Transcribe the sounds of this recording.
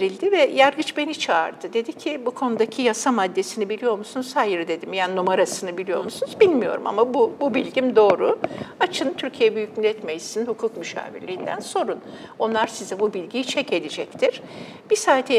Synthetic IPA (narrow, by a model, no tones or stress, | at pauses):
ɾilʲd̪ivɛjaɾɡɯt͡ʃbe̞nit͡ʃʰaːɾd̪ɯd̪e̞d̪icʰibukʰo̞nud̪acʰijasamad̪ːe̞sinibilʲijo̞ɾmusunuzhajɯɾɯd̪e̞d̪imjaninumaɾasɯnɯbilʲijo̞̰ɾmusunuzbilʲmijo̞̰ɾuma̰mabububilʲɟimd̪o̞ːɾuat͡ʃʰɯnt̪ʰyɾcʰijeɛbyjycmilʲɛt̪mejisninhukʰukmyʃa̰ːvḭɾlʲiːind̪æ̰nso̞ɾuno̞nlˠaɾsizɛbubilʲɟit͡ʃʰɛce̞d̪id͡ʒɛct̪ʰiɾ̥ | b̥isaːt̪ʰɛ